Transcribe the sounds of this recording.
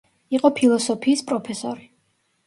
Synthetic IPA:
iqʼɔpʰilˠɔsɔpʰiːspʼɾɔpʰɛsɔ̰ɾi

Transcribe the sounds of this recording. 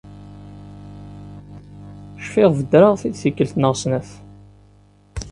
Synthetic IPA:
ʃfɪʁvəd̪ɾaʁθiθθikːəlt̪nəʁsnæθ

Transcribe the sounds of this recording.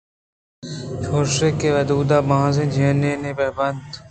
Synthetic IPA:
t͡ʃʰoːɾʃeːkeːʋəd̪uːd̪aːbããːsẽːd͡ʒʱeːneːneːbəbənd̪

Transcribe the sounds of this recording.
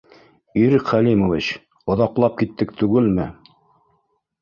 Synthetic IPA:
iɾɘkχælimovit͡ɕ | ŏðɑqlˠɑp̚kit̪ːɘk̚t̪ʉɡɘlmɘ

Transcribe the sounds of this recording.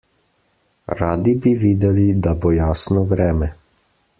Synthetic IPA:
ɾaːd̪ibiʋiːd̪ɛlid̪abojaːsnɔʋɾɛːmɛ

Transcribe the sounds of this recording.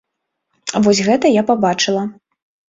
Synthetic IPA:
vɔsʲɣɛt̪ɐjapabat͡ʂɨlˠɐ

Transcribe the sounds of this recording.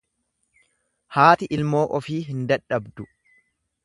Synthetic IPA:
haːt̪ɪʔɪlmoːʔɔfiːɦɪnd̪ɐᶑɐbd̪ʊ

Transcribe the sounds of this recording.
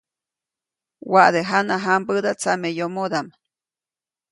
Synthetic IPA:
waʔd̪eɦanaɦampəd̪at͡samejomod̪am

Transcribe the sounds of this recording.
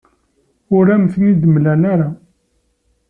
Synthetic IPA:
ʊɾæmθənid̪əmlænaɾa

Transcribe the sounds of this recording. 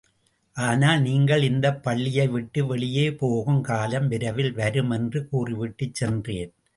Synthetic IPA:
ʔaːnaːlniːŋɡɐɭɪnd̪ɐpːɐɭːɪjɐɪʋɪʈːɯʋɛɭɪjeːpoːɣɯmkaːlɐmʋɪɾɐʋɪlʋɐɾɯmɛndrɯkuːrɪʋɪʈːɯt͡ʃsɛndreːn

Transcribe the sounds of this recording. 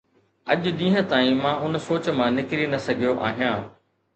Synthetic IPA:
ɐ̰ʄɗĩːɦə̃t̪aːĩmãːʊnsoːt͡ɕmãnɪkɾinɐsɐɡʱijoʔa̰ːɦijãː

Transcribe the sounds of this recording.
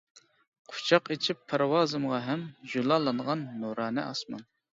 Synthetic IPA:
qʰʊ̥t͡ʃʰɑqet͡ʃʰipʰːæɾwɑːzɨmʁɑɦɛmʒulˠɑlˠɑnʁɑnːuɾɑːnɨ̰ʔɑsmɑ̰n

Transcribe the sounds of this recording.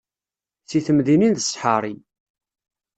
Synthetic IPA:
θiθəmðininðəsħəɾˤi

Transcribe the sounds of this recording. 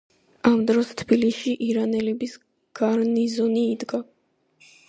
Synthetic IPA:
amd̪ɾɔst̪ʰb̥iliʃiʔiɾanɛlɛbis | ɡ̥aɾnizɔniːd̪ɡa

